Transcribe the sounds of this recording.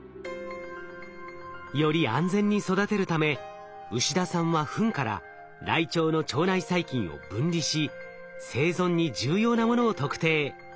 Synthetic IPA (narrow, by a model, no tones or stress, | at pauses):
jo̞ɾʲiãnd͡zẽ̞ɲ̟ːiso̞d̪at̪e̞ɾɯ̟t̪ame̞ | ɯ̟ɕid̪asãɰ̃βaɸɯ̟̃ŋkaɾa̰ | ɾait͡ɕo̞ːno̞t͡ɕo̞ːnaisaikʲĩɰ̃o̞̰bɯ̟̃ɲɾʲiɕi | se̞ːzõ̞ɲ̟ːid͡ʑɨːjo̞ːnamo̞no̞ːt̪o̞kɯ̟̥t̪e̞ː